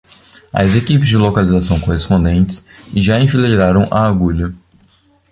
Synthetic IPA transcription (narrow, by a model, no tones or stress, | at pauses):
ɐ̰zekipɪzd͡ʒɪlokalizasɐ̃w̃kohespõnd̪ẽnt͡ʃɪ̥sʒaẽfileɾaɾɐ̃w̃ʔɐaɡuʎɐ